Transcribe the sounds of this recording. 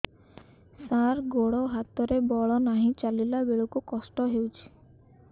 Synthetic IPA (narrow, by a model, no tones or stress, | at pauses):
saɾɡoɽɔɦat̪ɔɾebɔɭɔnaɦĩt͡ʃalilabeɭukukɔsʈɔɦewt͡ʃʰi̥